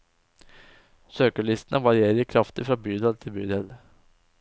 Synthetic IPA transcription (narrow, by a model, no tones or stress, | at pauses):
søːkəɭɪst̪ənəʋɑɾɪeːɾəəkʰɾɑft̪ɪfɾɑːbyːd̪ɑlt̪ʰɪlbyːd̪ɛl